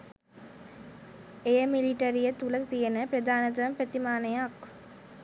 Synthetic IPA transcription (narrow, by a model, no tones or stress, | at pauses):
ejəmiliʈɐɾijət̪ulət̪ijənəpɾəd̪aːnɐt̪̬ɐʋɐmpɾət̪imaːnejak